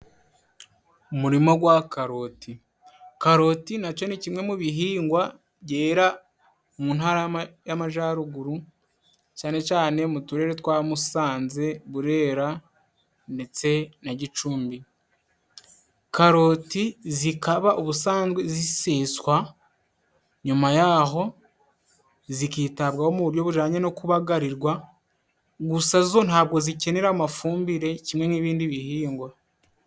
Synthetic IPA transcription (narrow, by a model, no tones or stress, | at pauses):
umuɾimo̞ɡwakaɾo̞ːtʰi | kaɾo̞tinat͡ʃo̞nicimŋe̞muβiɦiːŋɡwa | ɟe̞ːɾa | muːnɦaːɾajamaʒaɾuɡuɾu | caːne̞t͡ʃaːne̞mutuɾe̞ɾetwaːmusaːnze̞βuɾe̞ːɾa | nde̞t͡se̞naɟit͡ʃuːmbi | kaɾo̞tizikaβaʔuβusaːnzɡweziseːswa | ɲumajaɦo̞ | zikiːtaβɡaho̞muβuɾjo̞βuʒaːɲeno̞kuβaɡaɾiɾɡwa | ɡusazzo̞naːβɡo̞zice̞ne̞ɾamafuːmbiɾe̞cimŋe̞ŋiβiːndiβihiːŋɡwa